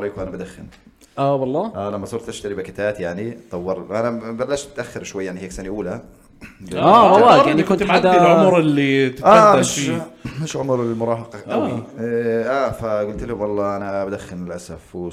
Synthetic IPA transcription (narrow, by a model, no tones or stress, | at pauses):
ɾˤiːkuʔanabad̪axːɪn | ʔawɑlˤːɑːʔalamːasˤʊɾt̪ʔaʃt̪aɾibɪkɪt̪aːt̪jaʕnit̪ˤɑwːɪɾʔanabalːaʃt̪t̪ʔaxːɪɾʃwajːaʕaniheːksanaʔuːla | awɑlːɑːanːikʊnt̪ad̪iʕʊmɾɪlːit̪ʔaːeʃmɪʃʕʊmɾɪlmʊɾˤɑːɦɑqɑʔʔawiʔaːfaɡʊlt̪lawɑlˤːɑːʔanabad̪axːɪnɪlʔasaf